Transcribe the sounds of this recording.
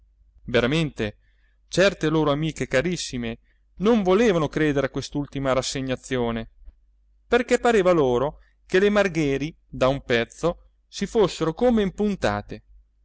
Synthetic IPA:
veɾament̪e | t͡ʃɛrt̪eloːɾoamiːkekaɾisːime | noɱvoleːvanokɾeːd̪eɾeakːwest̪ult̪imaɾasːeɲːat̪sːjoːne | perkɛpːaɾeːvaloːɾo | kelemarɡɛːɾi | d̪aumpɛt̪sːo | sifosːeɾokomeimpunt̪a̰ːt̪e

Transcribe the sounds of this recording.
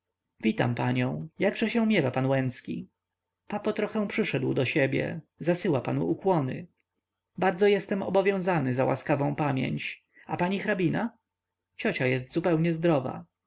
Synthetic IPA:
vʲit̪a̰mpa̰ɲɔ̃w̃jaɡʐɛɕɛ̃mʲjɛvapanwɛnt̪skʲḭ | papɔt̪ɾɔxɛw̃pʂɘʂɛd̪wd̪ɔɕɛbʲjɛ̰zasɘwapanṵukwɔnɘ̰ | baɾd̪zɔjɛst̪ɛmɔ̰bɔvʲjɔ̃w̃zanɘzawʔa̰skavɔ̃w̃pamʲjɛ̰ɲt͡ɕ | apaɲixɾabʲina | t͡ɕɔt͡ɕajɛst̪zupɛwɲɛzd̪ɾɔva̰

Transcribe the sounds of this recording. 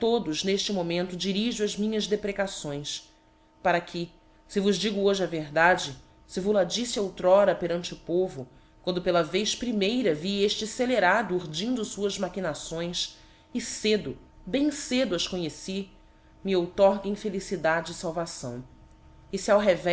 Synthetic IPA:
t̪od̪ʊzneʃt͡ʃɪmomẽnt̪ʊd͡ʒiɾiʒʊɐzmĩɲɐzd̪epɾekasõj̃s | paɾɐkʰɪ | sɪvʊzd͡ʒiɡʊoʒɪɐveɦd̪ad͡ʒɪ | sɪvulad͡ʒisɪowt̪ɾɔɾɐpeɾɐ̃nt͡ʃɪʊpovʊ | kwɐ̃nd̪ʊpelɐvejʃpɾimejɾɐvieʃt͡ʃɪseleɾad̪ʊuɾd͡ʒĩnd̪ʊsuɐzmakinasõj̃s | ɪsed̪ʊ | bẽj̃sed̪ʊɐʃkõɲesi | mɪowt̪ɔɾɡɪĩfelisid̪ad͡ʒɪːsawvasɐ̰̃w̃ | ɪsiawɦɛvɛ

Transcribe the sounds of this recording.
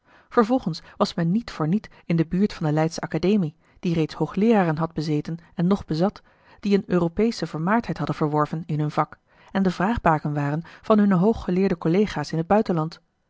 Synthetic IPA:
v̥əɹvɔlˠχənsʋɑsmɛnːitfʊːɹnit | ɪndəbyːɹtfɑndəlɛjtsəɑkadejmi | d̥irejtshowχlɪːraːrənɦɑdbəzejtənɛnːɔχbəzɑt | d̥iənøːropejsəvəɹmaːɹtʰɦɛjtɦɑdənv̥əɹʋɔɹvənɪnɦɵnvɑk | ɛndəvraːχbaːkənʋaːrənv̥ɑnɦɵnəɦowχːəlɪːɹdəkɔlejχaːsɪnɦəd̚bœɥtənlɑnt

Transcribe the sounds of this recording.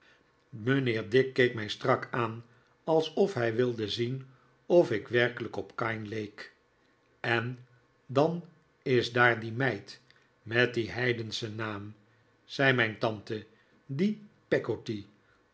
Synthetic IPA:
mənɪːɹdɪkːejkmɛjstrɑkaːn | ɑlˠsɔfɦɛjʋɪlˠdəzin | ɔfɪkʋɛrkələkɔpkɑjnlejk | ɛn | dɑn | ɪzdaːɹdimɛjt | mɛt̚diɦɛjdənsənaːm | z̥ɛjmɛjntɑntə | dipɛɡoti

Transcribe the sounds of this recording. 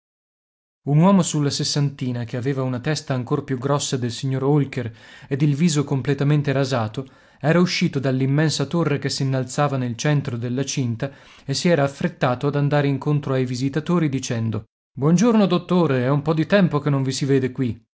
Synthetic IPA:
unwɔːmosulːasesːant̪iːnakeaveːvaunat̪ɛst̪aːŋkorpjuɡɾɔsːad̪elsiɲːoɾolkered̪ilviːzokomplet̪ament̪eɾazaːt̪o | ɛːɾauʃːiːt̪od̪alːimːɛnsat̪orːekesːinːalt̪saːvanelt͡ʃɛnt̪ɾod̪elːat͡ʃint̪a | esiɛːɾaːfːɾet̪ːaːt̪oad̪and̪aːɾeiŋkont̪ɾoajvizit̪at̪oːɾid̪it͡ʃɛnd̪o | bwɔnd͡ʒornod̪ot̪ːoːɾeɛumpɔd̪it̪ɛmpokenːõɱvisiveːd̪ekwi

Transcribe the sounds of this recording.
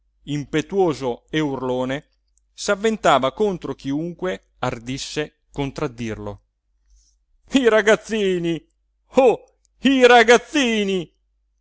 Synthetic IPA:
impet̪woːzoeurloːne | savːent̪aːvakont̪ɾok̟iuŋkwe | ard̪isːe | kont̪ɾad̪ːirlo̰ | iɾaɡat̪sːiːni | o | iɾaɡat̪sːiːni

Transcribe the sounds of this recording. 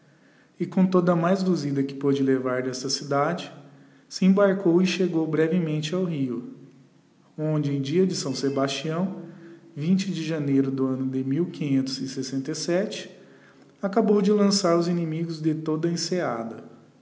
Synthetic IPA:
ɪkõt̪od̪ɐmajzd̪uzid̪ɐkɪ̥pod͡ʒɪlevaɾd̪ɛst̪ɐsid̪ad͡ʒɪ | sɪẽbaɾkowɪʃeɡowbɾɛvɪmẽnt͡ʃɪawɦiʊ | õd͡ʒɪẽj̃d͡ʒiɐd͡ʒɪsɐ̃w̃sebast͡ʃiɐ̃w̃vĩnt͡ʃɪd͡ʒɪʒɐnejɾʊd̪ʊɐ̃nʊd̪ɪmiwkĩɲẽnt̪ʊzɪsesẽnt̪ejsɛt͡ʃɪ̥ | akabowd͡ʒɪlɐ̃saɾʊzinĩmiɡʊzd̪ɪt̪od̪ɐẽsead̪ɐ

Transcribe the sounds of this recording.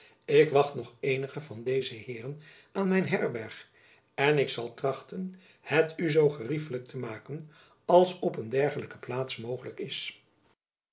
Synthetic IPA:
ɪkʋɑχtnɔχejnəχəvɑndejzəɦɪːrən | aːnmɛjnɦɛɹbɛɹχ | ɛnɪksɑlˠtrɑχtən | hɛtyzowχərifələk̚tʰəmaːkən | ɑlˠsɔpəndɛɹχələkə̥plaːtsmowχələkɪs

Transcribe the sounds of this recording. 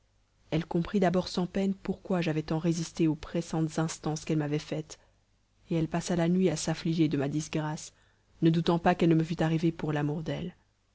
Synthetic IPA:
ɛlkɔ̃pχid̪abɔʁsɑ̃pɛnpuʁkwaʒavɛt̪ɑ̃ʁezist̪eopχesɑ̃t̪zɛ̃st̪ɑ̃skɛlmavɛfɛt̪ | eɛlpasalanɥiasafliʒed̪əmad̪isɡʁas | nəd̪ut̪ɑ̃pakɛlnəməfyt̪aʁivepuʁlamuʁd̪ɛl

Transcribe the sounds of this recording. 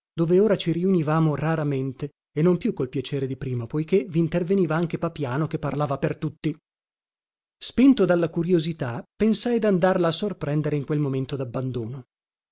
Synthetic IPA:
d̪̥oːveoːɾat͡ʃiɾiunivaːmoraɾament̪e | enːompjukːolpjat͡ʃeːɾed̪ipɾiːmapojk̟eviːnt̪erveniːvaaŋk̟epapjaːnok̟epːarlaːvapert̪ut̪ːi | spint̪od̪alːakuɾjozit̪apensajd̪and̪arlaːsːorpɾɛnd̪eɾeiŋkwelmoment̪od̪abːand̪oːno

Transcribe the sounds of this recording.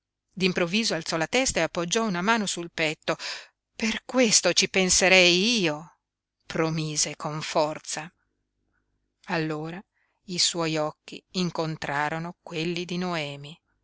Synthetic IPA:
d̪impɾovːiːzoalt̪sɔlat̪ɛst̪aeapːod͡ʒːɔunamaːnosulpɛt̪ːo | perkwest̪ot͡ʃipenseɾɛjiːo | promiːzekoɱfɔrt̪sa | alːoːɾa | iswɔjɔkːḭːŋkont̪ɾaːɾonokwelːid̪inoɛːmi

